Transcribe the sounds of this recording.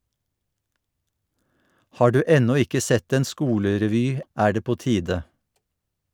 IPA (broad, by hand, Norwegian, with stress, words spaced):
ˈhɑː ˈɖʉː ˈɛnɔ ˈɪkə ˈsɛt ˈeːn ˈskuːləɾɛˌʋyː ˈʔæː ˈɖeː ˈpoː ˈtiːdə